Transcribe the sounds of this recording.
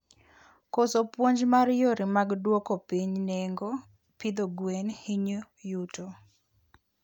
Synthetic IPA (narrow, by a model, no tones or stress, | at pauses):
kosopwoɲd͡ʒmaɾjoɾimaɡdwɔkopiɲneŋɡo | pid̪oɡwenhiɲo | juto